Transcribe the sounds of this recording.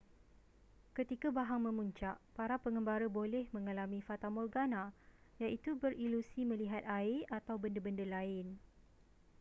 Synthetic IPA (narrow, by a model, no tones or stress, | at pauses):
kət̪ikabaɦaŋmə̃mũɲt͡ʃaʔpaɾapəŋə̃mbaɾəbolɛhmə̃ŋalamĩfat̪amɔlɡanãjaʔit̪ubəɾilusimə̃liɦat̪̚aɪat̪awbəndəbəndəlaɪn